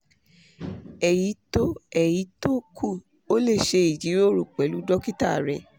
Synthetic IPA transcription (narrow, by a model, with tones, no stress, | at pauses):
ɛ˨ji˨˦to˦ɛ˨ji˨˦to˦kʰu˦˨ | o˦le˦˨ʃe˧i˨d͡ʒi˨˦ɾo˦˨ɾu˨k͡pɛ˨˦lu˦dɔ˦ki˦ta˦˨ɾɛ˨